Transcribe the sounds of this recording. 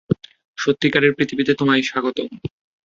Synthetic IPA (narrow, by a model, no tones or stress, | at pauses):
ʃot̪ːikaɾeɾpɾit̪ʰibit̪et̪omajʃaɡot̪o